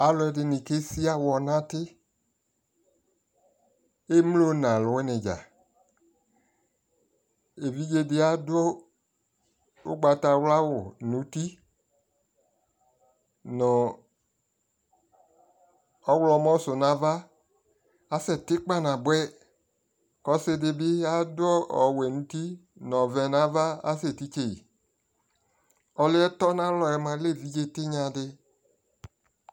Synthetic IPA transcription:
a˨˦lɔ˨˦ɛ˨˦dɪ˨nɪ̃˨ke˦si˦a˦wɔ˨nã˦tɪ˦ | e˦m˦lo˦nã˨lʊ˨wɛ˦nɪ̃˨d͡ʒa̰˨ | e˨vi˦d͡ʒe˧dɪ˨˦a˨do˦ | ʊ̰˦ɡ͡ba˨ta˨wla˦wʊ˨nũ˨˦ti˦ | nɔ̃˨ | ɔ˦wlɔ˨˧˦mɔ̃˦sʊ˨nã˨˦va˦ | a˦sɛ˨tɪ˦k͡pa˦˨nã˨bwɛ˦ | kɔ˨˦sɪ˧dɪ˧bɪ˦a˦dʊ˦ɔ˦ɔ˨wɛ˨nũ˨˦ti˦nɔ̃˨vɛ˨nã˨˦va˦a̰˦se˨ti˦t͡ʃe˨ḭ˨ | ɔ˨lɪ˦ɛ˦tɔ˦nã˦lɔ˨ɛ˧˦mã˧le˦˨vi˦d͡ʒe˦tɪ˦ɲã˧dɪ˧

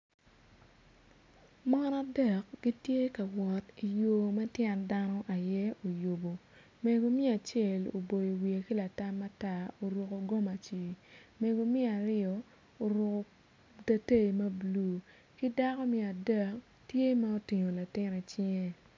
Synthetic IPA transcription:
mɔ˦na˦dɛ˨k̚ɡ̥i˦tje˦ka˨wɔ˨ti˨jo˦mɛ˦tjɛ˦nda˦nɔ˦ʔa˨jɛ˦o˨jo˨bo˨ | me˨ɡo˨mi˦a˨t͡ʃje˨lo̰˨bo˨jo˨wi˨e˨ki˦la˨ta˦ma˦ta˦o˨ɾo˨ko˨ɡo˦ma˨t͡ʃi˨me˨ɡo˨mi˦a˨ɾɪ˦ɔ˨ | o˨ɾo˨ko˨ | da˦te˦˨mɐ˦blu˨˦ | ki˦da˦kɔ˦mi˦˨a˨dɛ˦˨k | tje˦ma˦o˦ti˨ɲo˨la˨tɪ˦ne˨t͡ʃɪ˦ŋe˦

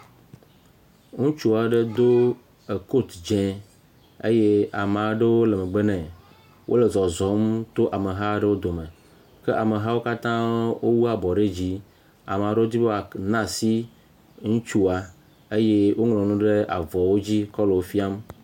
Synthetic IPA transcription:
ŋũ˦t͡ʃu˦a˨ɖe˦d̪o˦ | e˨ko˦t̪d͡ʒɛ̃˨ | ḛ˦je˦a˨m˨a˨˦ɖe˦wo˦le˨me˨ɡ͡be˦nɛ̃˨ | wʔo̰˦le˨zɔ˨zɔ˨mt̪o˦ʔa˨me˨ɦa˦ɖe˦wo˦d̪o˨me˨ | ke˦ʔa˨me˨ɦa˦wo˦ka˦t̪ã˦wo˦wu˦a˨bɔ˨ɖe˦d͡ʑi˦ | a̰˨me˨a˨ɖe˦wo˦d̪i˦be˦a˨nã˦si˦ | ŋũ˦t͡ʃu˦a˨ | e˦je˦wʔo˦ŋlɔ̃˨nũ˦ɖe˦a̰˨vɔ˨wo˦d͡ʑi˦kɔ˦le˨wo˦fi˦a˦m

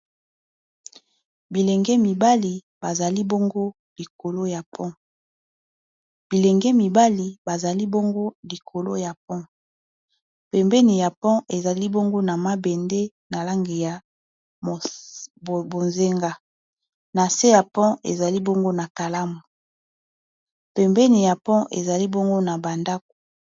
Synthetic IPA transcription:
bi˨lɛ˨ŋɡɛ˦mi˨ba˦li˨ | ba˨za˨li˦bo˦ŋɡo˦ | li˨ko˨lo˦ja˨pʰɔ̃˦ | b̥i˨lɛ˨ŋɡɛ˦mi˨ba˦li˨ba˨za˨li˦bo˦ŋɡo˦li˨kʰo˨lo˦ja˨p̚ɔ̃˦ | pɛ˨mbɛ˦ni˨ja˨pɔ̃˦ʔe˨za˨li˦bo˦ŋɡo˦na˨ma˦be˨nde˦ | na˨la˦ŋɡi˨ja˨ | bo˨nze˦ŋɡa˦ | na˨se˦ja˨pɔ̃˦ʔḛ˨za˨li˦bo˦ŋɡo˦na˨ka˨la˦mu˨ | pɛ˨mbɛ˦ni˨ja˨pɔ̃˦ʔḛ˨za˨li˦bo˦ŋɡo˦na˨ba˨nda˦k̚o̥˨

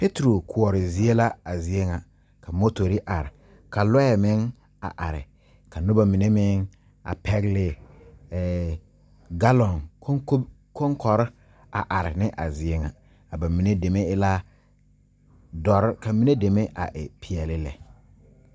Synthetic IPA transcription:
pe˦tɾo˨kʰʊ˨ɔ˨ɾɪ˨zi˦e˦la˦a˨zi˨e˦ŋa˨ | kʰa˨mo˦to˨ɾi˦ʔa˨ɾɪ˨ | ka˨lɔ˦ɛ˨mɪ˦ŋ | a̰˨ʔa˨ɾɪ̰˨ | ka˨nʊ˦ba˦mi˨ne˦mɪ˦ŋ | a̰˨pʰɛ˦ɣlɪ˦˨ | ɡa˦lɔ˨ŋkʰko˦ | ko˦ŋkʰɔ˨ɾɪ˦ | a̰˨ʔa˨ɾɪ˨nɪ˦ʔa˨zɪ˨e˦ŋa˨ | a˨ba˨mi˨ne˦de˨me˦ɪ˦la˦ | dɔ˨ɾka˨mi˦ne˦de˨me˦ʔa̰˨ʔɪ˨pʰi˨ɛ˨lɪ˦lɛ̰˨

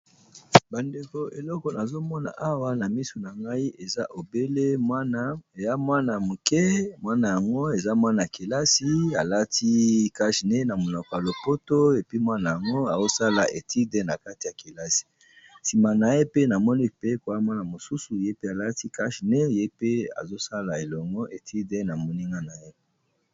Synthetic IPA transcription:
ba˨nde˨ko˨e˨lɔ˦kɔ˨na˨zo˦mɔ˦na̰˨ʔa˦wa˦na˨mi˦so˨na˨ŋɡa˦i˦ʔe˨za˦ʔo˨be˦le˦na˦e˨ja˦mwa˦na˨mo˨kɛ˦mwa˦na˨ja˨ŋɡo˦e˨za˦mwa˦na˨a˨ke˨la˦si˦a˨la˦ti˦ka˦ʃne˦na˨mo˨nɔ˨ko˨a˨lo˨po˦to˦e˨pi˦mwa˦na˨ja˨ŋɡo˦a˨zo˦sa˦la˨e˨tʰi˦de˦na˨ka˦ti˨ja˨ki˨la˦si̥˨ | si˨ma˨na˨je˦pe˦na˨mɔ˦ni˦pe˦ko˨a˦mwa˦na˨mo˨su˦su˨je˦pe˦a˨la˦ti˦ka˦ʃne˦je˦pe˦a̰˨zo˦sa˦la˨e˨lɔ˨ŋɡɔ˦ʔe˨tʰi˦de˦na˨mo˨ni˦ŋɡa˦na˨je˦

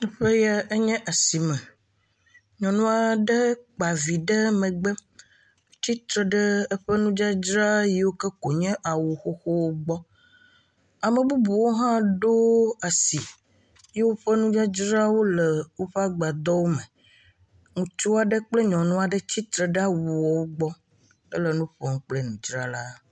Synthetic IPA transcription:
ɛ˦ɸe˦ja˦e˦ɲɛ̃˦ʔa˨si˨mɛ̃˨ | ɲɔ̃˨nũ˦a˨ɖə˦k͡pa˨vi˨ɖə˦mɛ̃˨ɡ͡be˦ | t̪i˦t̪ɾə˨ɖə˦ə˦ɸɛ˦nũ˦d͡ʒa˦d͡ʒɾa˦ji˨wo˦kə˦ko˨ɲɛ̃˦ʔa˨wu˨xo˦xo˦wo˦ɡ͡bɔ˦ | a˨mə̃˨bu˦bu˨wo˦ɦã˦ɖo˦a˨si˨ | je˦wo˦ɸə˦nũ˦d͡ʒa˦d͡ʒɾa˦wo˦lə˨wo˦ɸe˦a˦ɡ͡ba˨d̪ɔ˦wo˦mẽ˨ | ŋũ˨t͡ʃu˦wa˨ɖə˦k͡plə˦ɲɔ̃˨nɔ̃˦a˨ɖə˦t͡ɕi˦t̪ɾə˨ɖa˦wu˨wɔ˨wo˦ɡ͡bɔ˦ | ə̰˦lə˨nũ˦ɸɛ˦ŋũ˦k͡ple˦nũ˨d͡ʒɾa˦la˦

